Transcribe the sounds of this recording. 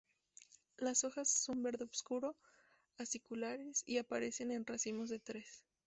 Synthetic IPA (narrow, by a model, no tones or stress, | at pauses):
laso̞xasːo̞mbe̞ɾðeoβskuɾo̞ | asikulaɾesiapaɾe̞se̞ne̞nrasimo̞zðe̞t̪ɾe̞s